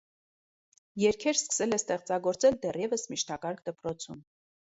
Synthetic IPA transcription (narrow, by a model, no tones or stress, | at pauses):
jɛɾkʰɛɾskə̥sɛlɛst̪ɛχt͡sɑɡɔɾt͡sɛld̪ɛrjɛvəsmiʃt̪ɑkɑɾkʰd̪əpɾɔt͡sʰum